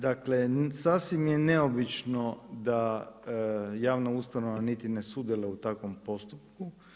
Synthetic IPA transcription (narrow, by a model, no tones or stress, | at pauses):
d̪akle̞sasʋimjeneo̞bit͡ʃnod̪a | jaːʋnaust̪anoʋanit̪inesud̪jeleut̪akʋo̞mpo̞st̪upku